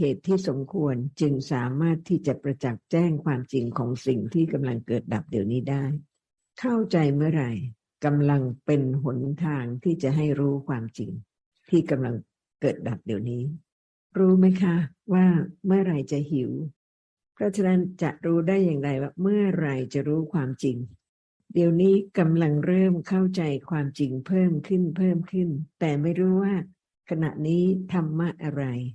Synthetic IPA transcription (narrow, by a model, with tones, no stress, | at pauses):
heː˨˩t̪ʰːiː˥˩so˩˦mkʰu˧ənt͡ɕɯ˧ŋsaː˩˦maː˥˩t̪ʰːiː˥˩t͡ɕa˨˩ʔpɾa˧t͡ɕa˨˩k̚t͡ɕɛː˥˩ŋkʰwaː˧mt͡ɕi˧˩ŋkʰɔː˩˦ŋsi˨˩ŋt̪ʰiː˥˩ka˧mla˧ŋkɤː˨˩t̪̚da˨˩p̚di˨˩əwniː˦˥daː˥˩j | kʰa˥˩wt͡ɕa˧jmɯ˥˩ɐɾa˧j | ka˧mla˧ŋpe˧nɦo˩˦nt̪ʰaː˧ŋt̪ʰiː˥˩t͡ɕa˨˩ɦa˥˩jɾuː˦˥kʰwaː˧mt͡ɕḭ˧ŋ | t̪ʰiː˥˩ka˧mla˧ŋ | kɤː˨˩t̪̚da˨˩p̚di˨˩əwniː˦˥ | ɾuː˦˥ma˦˥jkʰa˦˥waː˥˩mɯ˥˩ɐɾa˧jt͡ɕa˨˩hi˨˩˦w | pʰɾɔ˦˥t͡ɕʰa˧˥na˦˥nt͡ɕa̰˨˩ʔɾuː˦˥daː˥˩jːaː˨˩ŋɾa˧jwaː˥˩mɯ˥˩ɐɾa˧jt͡ɕa˨˩ɾuː˦˥kʰwaː˧mt͡ɕi˧ŋ | di˧əwniː˦˥ka˧mla˧ŋɾɤː˥˩mkʰa˥˩wt͡ɕa˧jkʰwaː˧mt͡ɕi˧ŋpʰɤː˥˩mkʰɯ˥˩npʰɤː˥˩mkʰɯ˥˩nt̪ɛː˨˩ma˥˩jɾuː˦˥waː˥˩ | kʰa˧na̰˨˩ʔniː˦˥t̪ʰa˧mːa˥˩k̚ʔa˧ɾa˧j